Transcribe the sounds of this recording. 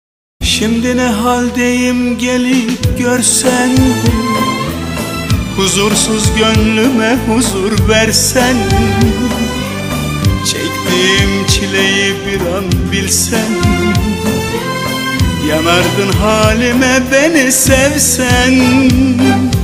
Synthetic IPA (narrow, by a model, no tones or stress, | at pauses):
ʃimd̪inɛɦalʲd̪ejimɟelijip̚ɟøɾsæn | huzuɾsuzɟønlymɛhuzuɾvæɾsæn | t͡ʃʰɛ̰climt͡ʃʰilejibiɾanbilʲsæn | jɑnɑɾd̪ɯnɦaːlimɛbenisɛvsæn